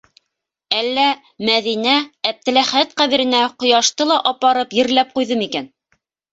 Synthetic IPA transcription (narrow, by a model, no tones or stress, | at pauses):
ælːæ | mæðinæːp̚t̪ɘ̆læχæt̪qæðɘ̆ɾɘ̆næqŏjɑʃt̪ɤlˠɑʔɑpɑɾɤpjɘ̆ɾlæp̚qujðɤmikæn